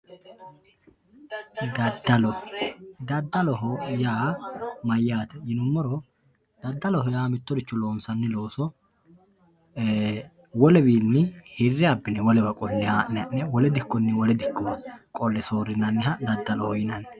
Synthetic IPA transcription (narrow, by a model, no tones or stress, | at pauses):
d̪ɐd̪ːɐlɔd̪ɐd̪ːɐlɔɦɔjaːmɐjːaːt̪ɛjɪnʊmːɔɾɔ | d̪̥ɐd̪ːɐlɔɦɔjaːmɪt̪ːɔd̪ɪt͡ʃːɔlo̞ːnsɐnːɪlo̞ːsɔ | wɔlɛbiːnːɪhɪrːɪɐbːɪnɛwɔlɛbɐkʼɔnːɪhaːʔɛɐʔːɛwɔlɛd̪ɪkːɔnːɪwɔlɛd̪ɪkːɔwɐkʼɔlːɛso̞ːɾɪnːɐnːɪɦɐd̪ɐd̪ːɐlɔhɔjɪnɐnːɛ̥